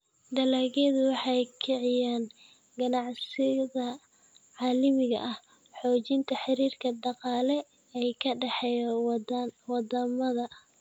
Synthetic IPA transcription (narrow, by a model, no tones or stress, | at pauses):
d̪ɐlaːɣɛðʊwɑħɑjkʰɪʕɪjaːn | ɡɐnɑʕsɪðɐ | ʕɑːlɪmɪɣɐ̰ʔɐh | ħɔːt͡ʃɪnt̪ʰɐħɪɾiːrkʰɐd̪ɑqɑːlɛ | ɛjkʰɐɖɛħɛj | wɑd̪ɐmɐðɐ